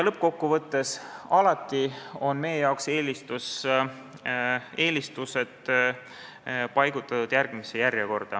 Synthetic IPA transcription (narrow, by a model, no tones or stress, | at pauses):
lɤp̚ːko̞kːuvɤt̪ːe̞sɑlɑt̪ːˑio̞nme̞jejɑokse̞ːlist̪us | e̞ːlist̪use̞t̪ | pɑjɡ̥ut̪ːˑɑt̪ud̪̥jærɡ̥mise̞jærjeko̞rd̪̥ɑ